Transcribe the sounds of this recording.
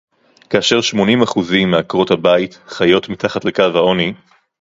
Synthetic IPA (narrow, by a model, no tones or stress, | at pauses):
kaaʃe̞ʁʃmo̞nimaχuzimːeakʁo̞thabaitχajo̞tmitaχatle̞kavhao̞ni